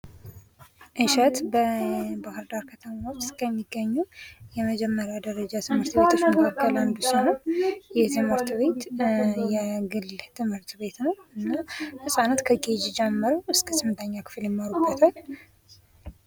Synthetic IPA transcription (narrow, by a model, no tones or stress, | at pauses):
ʔɨʃɛt̪bəbahɨɾd̪aɾkʰət̪ʰəmaot͡ʃːskʰəmːiɡːəɲːujɛməd͡ʒɛmːəɾjad̪əɾəd͡ʒat̪ʰɨmːɨɾt̪βet̪ʰɨʃməkʰəkːəland̪ɨsonəwjɛt̪ʰɨmɨɾt̪βe̞t̪jɛɡɨlt̪ʰɨmhɨɾt̪βe̞t̪nəwɨnːahɨsʼanət̪kʰəɡed͡ʒd͡ʒɛmːəɾəwɨskʰə̥sɨmːɨnt̪ʰəɲːakʰɨ̥fljɛmːaɾubːət̪ʰal